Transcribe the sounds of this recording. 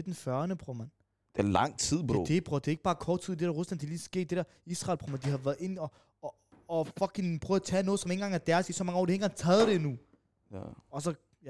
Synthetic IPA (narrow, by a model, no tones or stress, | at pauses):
ed̥enfɶɐnəpʰʁomæn | d̥elɑ̈ŋ̰t͡sʰið̞̰ˠpʰd̥e̝b̥ʰʁɔd̥e̝e̝ɡ̥əb̥ɑ̈ːkʰɒ̰ːd̥t͡sʰið̰ˠd̥e̝ɾæɐʁuslænd̥eliːsɡ̥e̝̰ːd̥̚e̝ɾ̥æɐisʁɑ̈ɪlpʰʁomænd̥iɦɑ̈ʋæɐð̩ˠe̝nɒː | fɒ̽kʰiŋpʰʁœːðˠɐt͡sʰɛ̰ːnɔːðˠsme̝nŋɡ̥ɑ̈ŋæɐd̥æɐsisɒmɑŋəɒ̰ːd̥ihe̝nŋɡ̥ɑ̈ŋt͡sʰɛːð̞̩ˠd̥e̝nu | ɒ̽sɒ̽ | j